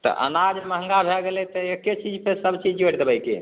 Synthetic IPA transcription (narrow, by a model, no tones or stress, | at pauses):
t̪ɔ̰ʔə̰nad͡ʒəməɦə̃ŋɡabʱɛɡelɛt̪ɔekːet͡ʃid͡ʒpesəbt͡ʃid͡ʒoʈd̪ebəjkḛ